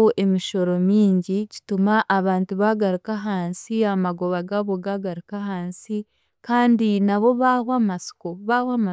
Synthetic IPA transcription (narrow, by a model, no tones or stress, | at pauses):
oʔe̞miʃo̞ɾo̞miːɲɟici̥tumaʔːβaːntuβaɡaɾukaɦaːnsiamaɡo̞βaɡaβoɡaɡaɾukahaːnsi | kaːndinaβo̞βahwamasi̥koβahwama